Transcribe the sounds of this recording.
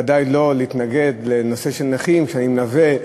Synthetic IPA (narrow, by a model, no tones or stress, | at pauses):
ad̪ajlo̞leit̪naɡe̞d̪le̞no̞se̞ʃelnaχimʃeanimnave